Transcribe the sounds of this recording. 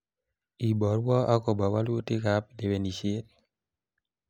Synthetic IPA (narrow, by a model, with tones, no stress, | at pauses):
i˨bɔ˨ɾwɔ˦a˦kɔ˨ba˨wa˦lo˦te˦ka˨˦ple˨˦we˨ni˨ʃe˦l